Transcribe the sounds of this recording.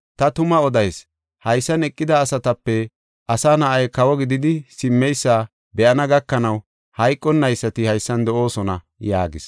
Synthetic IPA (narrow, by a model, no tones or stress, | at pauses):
t̪ɐt̪ʊmɐɔd̪ɐjs | hɐjsːɐnɛkʼːɪd̪ɐːsɐt̪ɐpːɛ | ʔɐsaːnɐʔɐjkɐwɔɡɪd̪ɪd̪ɪsɪmːɛjsːaː | bɛʔɐnɐɡɐkːɐnɐw | hɐjkʼːɔnːɐjsːɐt̪ɪhɐjsːɐnd̪ɔʔo̞ːsɔnɐ̰ | ja̰ːɡɪs